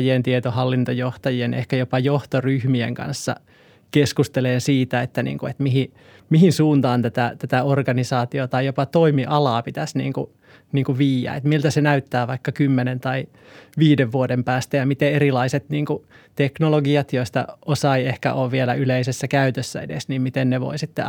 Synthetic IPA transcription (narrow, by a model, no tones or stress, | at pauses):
jient̪iet̪ohɑlːint̪ojoht̪ɑjienḛhkæjopɑjoht̪oryhmiḛŋkɑ̰nsːɑ̰ | keskust̪eleːnsiːt̪æet̪ːænḭːŋkuet̪miɦi | mihinsuːnt̪ɑːnt̪æt̪æt̪æt̪æorɡɑnisɑːt̪iot̪ɑijopɑt̪oimiʔɑlɑːpit̪æsnḭːŋkṵ | niːŋkuʋiːjæ̰ːḛt̪milt̪æsenæyt̪ːæːʋɑikːɑkymːenent̪ɑi | ʋiːdeʋʋuodempæːst̪æjɑmit̪eeɾilɑiset̪niːŋkut̪eknoloɡiɑt̪joist̪ɑ̰osɑiehkæ̰ʔoːʋʋielæʔyleisesːækæyt̪øsːæ̰ḛdḛsniːmmit̪enneʋo̰isit̪ːḛ